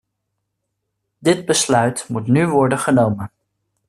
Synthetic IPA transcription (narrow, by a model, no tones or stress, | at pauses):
dɪd̚bəslœɥtmutnyʋɔɹdənχənowmən